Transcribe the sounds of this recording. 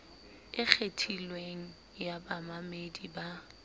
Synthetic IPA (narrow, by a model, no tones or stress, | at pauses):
ɪk͡xʰetʰilweŋ̩ | jabamamediba